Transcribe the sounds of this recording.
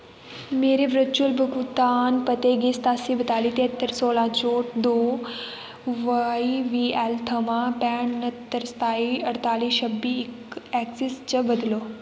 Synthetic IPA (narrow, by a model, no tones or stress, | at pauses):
meːɾeʋɾət͡ʃulbɨkut̪aːnpɐt̪eɡest̪aːsibət̪aːliːt̪eɦət̪ːəɾsoːlãt͡ɕoːʈd̪oː | ʋəiʋiːɛlt̪ʰɐʋãpɛːɳnɐt̪ːəɾst̪aːiɐɽt̪aːliːʃʰɐbiːk | ɛːksist͡ɕɐbɐd̪loː